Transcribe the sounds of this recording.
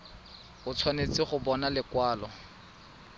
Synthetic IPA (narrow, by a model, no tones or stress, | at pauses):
ʊt͡sʰwanet͡sɪχʊbɔnalɪkwaːlɔ